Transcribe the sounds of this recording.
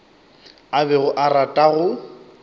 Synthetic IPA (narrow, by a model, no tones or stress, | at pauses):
abɛɣʊʔaratʼaɣʊ